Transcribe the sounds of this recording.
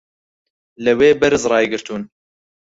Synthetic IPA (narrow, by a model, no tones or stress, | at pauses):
lɨweːbɛɾɨzrɑːjɡɨɾt̪uːn